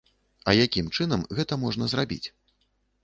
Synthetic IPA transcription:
ɐjakʲimt͡ʂɨnɐmɣɛt̪ɐmɔʐnɐzrabʲḭt͡sʲ

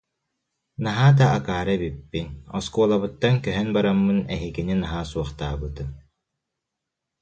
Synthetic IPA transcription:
naɦaːt̪̬aːkaːɾabipːinɔ̰skuɔlˠaβɯt̪ːankœɦœnbaɾamːɯnɛɦiɡininaɦaːsuɔχt̪aːbɯt̪ɯ

